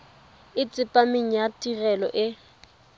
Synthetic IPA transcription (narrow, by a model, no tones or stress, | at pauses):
ɪt͡sʼɪpʼamɪŋ̩jatʼirɛlɔ̰ʔɪ